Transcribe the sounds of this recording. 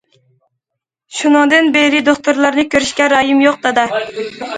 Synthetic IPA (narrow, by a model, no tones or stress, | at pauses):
ʃunɨŋd̪ɨnbeɾɪd̪oχt̪uɾlˠɑɾnɨkʲøɾyʃkʲɛɾɑjimjoq̚d̪ɑd̪ɑ